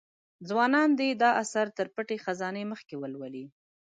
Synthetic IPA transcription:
d͡zwɑnɑnd̪ed̪ɑʔasaɾt̪əɾpəʈexazɑneməxkewəlwəli

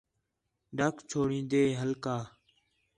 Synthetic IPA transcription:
ɖəkʰt͡ʃʰoːɽĩːnd̪eːɦəlkaː

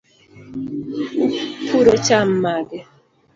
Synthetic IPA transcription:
upʰuɾɔt͡ʃam̩maɡɛ

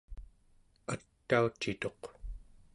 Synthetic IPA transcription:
at̪ːaut͡ʃːit̪o̞q

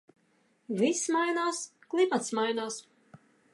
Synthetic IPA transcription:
vismajnaːsklˠimat̪smajnaːs

